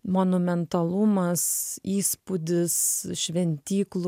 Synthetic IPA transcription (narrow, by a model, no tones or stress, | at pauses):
monʊmʲɛnt̪ɐlˠʊmɐsiːspʊd̪ʲɪsʃʲʋʲɛnʲt̪ʲiːklˠ